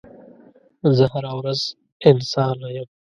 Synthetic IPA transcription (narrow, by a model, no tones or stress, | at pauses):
zəhaɾawɾaz | ɪnsɑːnajəm